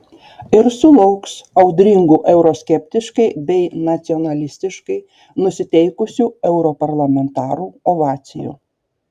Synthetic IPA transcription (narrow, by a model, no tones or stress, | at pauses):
ɪɾsʊlˠɐʊksɐʊd̪ʲɾʲɪŋɡuːʔɛʊɾoːsʲkʲɛpʲt̪ʲɪʃkɐɪbʲɛɪnɐt̪sʲiɔnɐlʲɪsʲt̪ʲɪʃkɐɪ | nʊsʲɪt̪ʲɛɪkʊsʲuːɛʊɾopɐɾlˠɐmʲɛnt̪ɑːɾuːɔʋɑːt̪sʲɪjṵː